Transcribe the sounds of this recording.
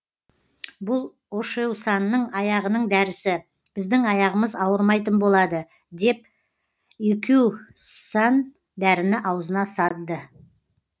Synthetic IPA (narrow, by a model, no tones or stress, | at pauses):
bʊlˠ | oʃewsɑnːəɴɑjɑʁənəɴd̪æɾɪsɪ | b̥ɪzd̪ɪŋɑjɑʁəməzɑwəɾmɑjt̪ənbo̞lˠɑd̪ə | d̪e̞p̚ | ekʲewsɑn | d̪æɾɪnɪʔɑwzənɑsɑt̪ːə